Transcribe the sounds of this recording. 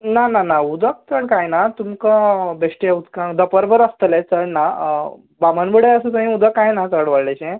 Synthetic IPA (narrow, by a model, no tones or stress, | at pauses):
nananaud̪ək̚t͡səɳkajnat̪umkə̃beʂʈaut̪kãd̪əpəɾbəɾəst̪əlet͡səɳna | bamanbəɽeəsəsə̃ɦĩud̪əkːajnat̪əɽʋəɽleɕẽ